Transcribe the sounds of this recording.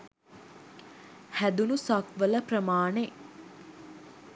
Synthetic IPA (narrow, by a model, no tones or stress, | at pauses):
hæd̪unusɐkʋələprəmaːne